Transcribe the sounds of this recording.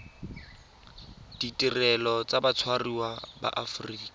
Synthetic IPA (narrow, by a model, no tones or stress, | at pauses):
d̥itʼirɛlɔt͡sabat͡sʰwariwaba̰ʔafriːkʼa